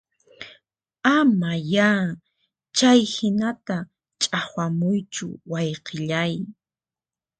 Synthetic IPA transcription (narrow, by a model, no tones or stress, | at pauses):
amajaː | t͡ʃajhɪnat̪a | t͡ʃʼahwamʊjt͡ʃʊ̰wajqʰɪʎaj